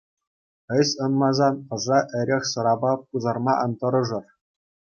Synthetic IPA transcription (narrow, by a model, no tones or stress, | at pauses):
ɘ̆ɕʲɤ̆nmɑzɑnɤ̆ʐɑʔɘ̆ɾʲexʲsɤ̆ɾɑbɑpuzɑrmɑʔɤ̆nt̪ɤ̆ɾɤ̆ʐɤ̆r